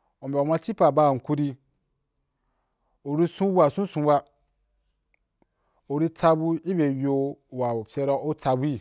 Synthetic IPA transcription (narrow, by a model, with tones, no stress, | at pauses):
o˨be˨a˨mã˧t͡ʃi˦pa˨ba˦˨ŋ̩˨ku˦ɾi˧ | o˨ɾi˧sũ˦wʷa˨sũ˦sũ˧wa˧ | o˨ɾi˦ta˧bu˦i˦be˨jo˧˨wa˨pʲe˧ɾa˧˦o˦ta˧bu˦i˨